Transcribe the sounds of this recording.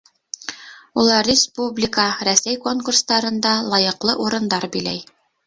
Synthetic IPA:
ulˠɑɾːʲɪspublʲɪkəɾæsæjko̞ŋkurst̪ɑɾɤ̆nd̪ɑlˠɑjɤ̆qlˠɤʔuɾɤ̆nd̪ɑɾbilæ̰j

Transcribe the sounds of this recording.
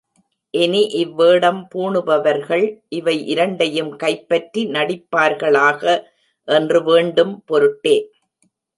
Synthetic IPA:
ʔɛniʔɪʋːeːɽɐmpuːɳɯbɐʋɐɾɣɐɭʔɪʋɐɪʔɪɾɐɳɖɐjɯmkɐɪpːɐʈrinɐɽɪpːaːɾɣɐɭaːɣɐ | ʔɛndrɯʋeːɳɖɯmpɔɾɯʈːeː

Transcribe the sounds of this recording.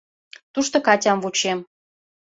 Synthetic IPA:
t̪uʃt̪ɤ̆kɑtʲɑmvut͡ɕem

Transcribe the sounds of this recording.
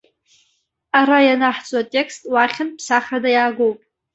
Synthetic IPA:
aɾajanaħt͡sʼatʼe̞kstʼwaχʲɪnpʰsaχradajaːɡowpʼ

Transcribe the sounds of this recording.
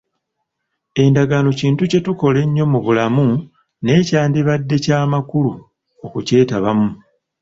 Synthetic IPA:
e̞ndaɡaːno̞ciːntuce̞tuko̞le̞ɲːo̞muβulamu | ne̞ːcaːndiβadːe̞caːmakulu | o̞kuce̞ːtaβamu

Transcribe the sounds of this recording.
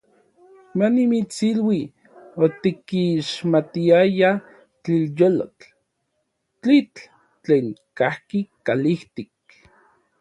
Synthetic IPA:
manimit͡silwi | ot̪ikiʃmat̪iaja | t͡ɬiljolo̰t͡ɬ | t͡ɬit͡ɬ | t͡ɬeːŋkahkikaliht̪ik̚

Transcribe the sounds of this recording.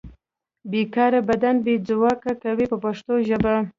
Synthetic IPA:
bekɑɾabad̪anbed͡zʊwɑkakawipəpaʂt̪oʒəba

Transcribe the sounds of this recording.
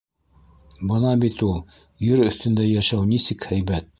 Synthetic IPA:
bɤnɑbit̪ulˠ | jɵɾɵ̆θt̪ɘ̆nd̪æjæʃæwnisɘkhæjbæt̪̚

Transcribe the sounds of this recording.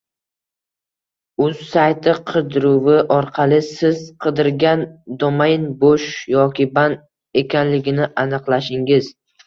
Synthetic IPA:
ʊzsajt̪ʰɪqʰɨd̪ɾʊwɪʔɒɾqʰɑlˠɪsɪz̥qʰɨd̪ɪɾɡʲand̪omajnboʃjɒkʲʰɪban | e̞kʲanlɪɡʲɪnɪʔanɨqlˠaʃɪŋɪz̥

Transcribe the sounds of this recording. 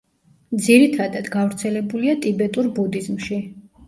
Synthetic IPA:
d̪ziɾit̪ʰad̪ad̪ɡavɾt̪sʰɛlɛbuliat̪ʼibɛt̪ʼuɾbud̪izmʃi

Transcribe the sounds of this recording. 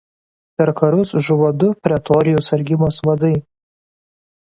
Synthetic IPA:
pʲɛɾkɐɾʊsʒʊʋod̪ʊpʲɾʲɛt̪ɔɾʲɪjʊsɐɾʲɡʲɪmoːsʋɐd̪ɐɪ

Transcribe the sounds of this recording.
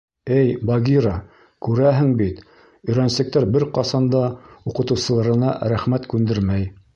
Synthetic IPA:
ɘjbɑɡʲiɾɑ | kʉɾæɦɘŋbit̪ | ɵ̆jɾænsɘ̆k̚t̪æɾbɘɾqɑsɑnd̪ɑuqɤ̆t̪ɤ̆wsɤ̆lˠɑɾɤ̆nɑ̰ɾæχmæt̪kʉnd̪ɘɾmæj

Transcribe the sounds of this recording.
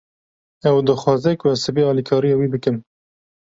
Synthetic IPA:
ɛwd̪ɨxwɑːzɛkwɛsɨbeɑːlikʰɑːɾijɑːwiːbɨkɨm

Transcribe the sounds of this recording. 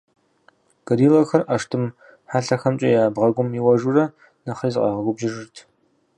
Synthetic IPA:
ɡ̥ɐɾiːlɐxɐrʔaʂtʰɨm | ħaːɬɐxɐmt͡ʃʼɐjaːbʁɐɡʷʊmiwɐʒurɐ | nɐχizɨqʼɑ̰ʁəɡʷʊbʒɪʒɨrtʰ

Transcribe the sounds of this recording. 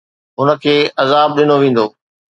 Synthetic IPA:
ɦʊnə̆kʰeːʔɐzaːb̚ɗɪnoʋẽːn̆d̪oː

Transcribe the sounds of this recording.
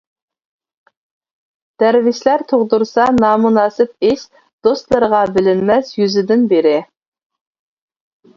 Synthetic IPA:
d̪̥æɾvɪʃlæɾt̪ʰoʁd̪uɾsɑnɑːmunɑːsɪp̚ɪʃ | d̪̥ost̪lˠəɾʁɑbɪlɪnmɛsjyzɪd̪ɪnbeɾɪ

